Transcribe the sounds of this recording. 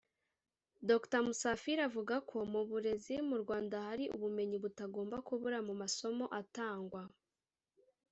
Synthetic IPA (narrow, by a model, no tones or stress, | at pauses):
do̞ktamusafiɾavuɡakʰo̞muβuɾe̞zimuɾɡwaːndahaɾiʔṵβume̞ɲiβutaɡoːmbakuβuɾamumaso̞mo̞ʔataːŋɡwa